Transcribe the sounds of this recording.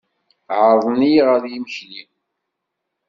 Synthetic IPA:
ʕəɾˤðˤnijʁəðjiməçli

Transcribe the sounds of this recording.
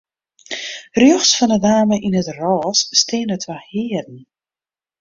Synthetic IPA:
rjɔχsfɔndədaːməʔinətrɔːsːtɪːnətʰʋahɪːədn̩

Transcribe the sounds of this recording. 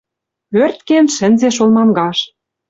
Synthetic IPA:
ørt̪̚kenʃɘ̆nzeʃolmɑmɡɑʃ

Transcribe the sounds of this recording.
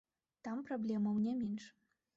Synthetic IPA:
t̪ampɾablʲɛmɐwnʲɛmʲɛnʂ

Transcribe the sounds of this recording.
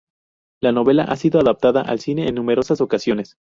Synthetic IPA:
lano̞βe̞laʔasiðo̞aðap̚t̪aðaʔa̰lsine̞ːnːũme̞ɾo̞saso̞kasjo̞ne̞s

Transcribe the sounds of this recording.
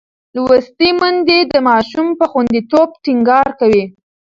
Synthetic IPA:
lwəst̪imʊnd̪ed̪əmɑʃumpəxwand̪it̪ob̚ʈiŋɡɑɾkawi

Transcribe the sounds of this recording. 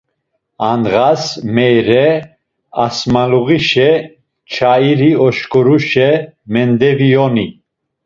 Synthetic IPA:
anɣasmɛjɾɛ | asmaluɣiʃɛ | t͡ʃʰaiɾiɔʃkʼɔɾuʃɛmɛnd̪ɛvijɔni

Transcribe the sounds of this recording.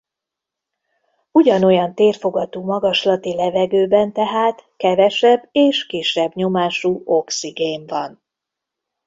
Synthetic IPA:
uɟɒno̞jɒnt̪eːrfo̞ɡɒt̪uːmɒɡɒʃlɒt̪ilɛvɛɡøːbɛnt̪ɛɦaːt̪kɛvɛʃɛbːeːʃkiʃːɛbɲo̞maːʃuːo̞ksiɡeːɱvɒn

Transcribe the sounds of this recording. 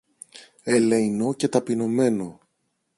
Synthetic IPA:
eleino̞ce̞t̪ɐpino̞me̞no̞

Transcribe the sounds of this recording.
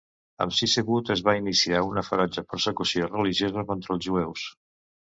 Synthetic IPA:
ə̰msisəɣut̪əzβainisiaunəfəɾɔd͡ʒəpəɾsəkusiorəliʒjozəkont̪ɾəlˠzʒuɛws

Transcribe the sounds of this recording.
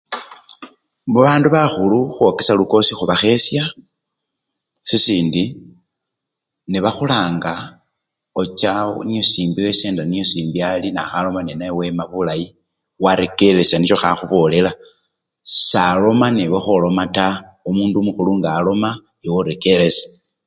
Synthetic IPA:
βuβaːnduβaxuluxwo̞ke̞saluko̞sixuβaxe̞sja | sisiːndi | niβaxulaːŋɡa | ot͡ʃanijo̞siːmbiweseːndanijo̞siːmbialinaxalo̞manenajewe̞maβulaji | waɾe̞ke̞le̞saniʃo̞xaxuβo̞ːle̞la | salo̞maniβexolo̞mataomuːndumuxuluŋɡaːlo̞ma | iwoɾe̞ke̞le̞sḁ

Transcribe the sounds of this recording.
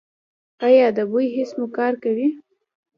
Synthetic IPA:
ajɑd̪əbujɦɪsmʊkɑɾkawi

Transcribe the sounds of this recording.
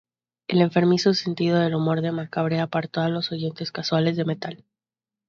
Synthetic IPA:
e̞le̞ɱfe̞ɾmisose̞nt̪ið̞o̞ð̞e̞lumo̞ɾðemakaβɾeapaɾt̪o̞alo̞so̞ʝe̞nt̪e̞skaswale̞zðeme̞t̪al

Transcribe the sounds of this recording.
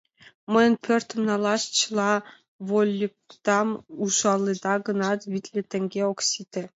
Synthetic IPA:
məjə̆npʰʲørʲt̪ə̆mnɑlˠɑʃt͡ɕəlˠɑ | βolʲːik̚t̪ɑmuʃɑlˠːed̪ɑɡɤ̆nɑt̪βʲit̪lʲĕt̪ɘ̆ŋɡʲeoksʲit̪ʲɘ̆

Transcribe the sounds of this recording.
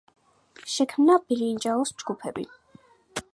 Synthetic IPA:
ʃɛkʰmnab̥iɾind͡ʒaɔsd͡ʒɡupʰɛbḭ

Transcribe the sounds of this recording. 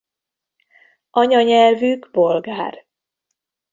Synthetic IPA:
ʔɒɲɒɲɛlvyɡbolɡaːr

